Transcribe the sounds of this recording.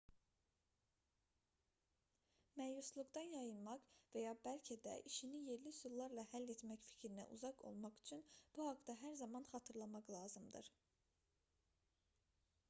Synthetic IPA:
mæjuslˠuɡd̪ɑnjɑjɯnmɑqvæjɑːbælʲcʰed̪æ̰ʔiʃinije̞ɾlisulˠlːˠɑɾlˠɑhælːet̪mæcfi̥cʰɾinæ̰ʔṵzɑqo̞̰lˠmɑχy̥t͡ʃʰynb̥uhɑkd̪ɑɦæɾzɑmɑnχɑt̪ʰɯɾlˠɑmɑqlˠɑːzɯmd̪ɯ̰ɾ̥

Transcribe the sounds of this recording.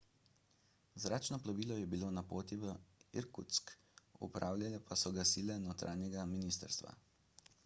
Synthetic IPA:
zɾaːt͡ʃnɔplaʋiːlɔjɛbiloːnapoːt̪iʋəḭɾkut̪sk | ṵpɾʔaːwljalɛpasɔɡasiːlɛnot̪ɾʔa̰ːnjɛɡaminiːst̪əɾst̪ʋa̰

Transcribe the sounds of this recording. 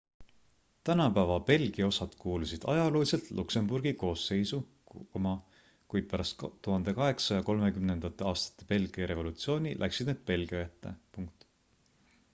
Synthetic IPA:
t̪ænɑpævɑpe̞lɡ̥iɑo̞sɑd̪̥kuːlusid̪̥ɑ̰jɑluːlʲiselt̪lʔukse̞mburɡ̥iko̞ːsːe̞jsu | omɑ | kujd̪̥̚pæɾɑst̪t̪ːuhɑnd̪̥e̞kɑɦe̞ksɑjɑko̞lme̞kymne̞nd̪̥ɑt̪ːˑe̞ɑːst̪ɑ̥t̪ːˑe̞pe̞lɡ̥iɑɾe̞vo̞lut̪sio̞ːnʲilʔæ̰ksid̪̥neːd̪̥̚pe̞lɡ̥iɑjæt̪ˑːḛpuŋk̚t̪

